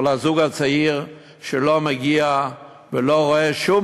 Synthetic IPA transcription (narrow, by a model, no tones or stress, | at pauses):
lazuɡhat͡saiʁ | ʃəlomaɡia | vɪloʁoeʃum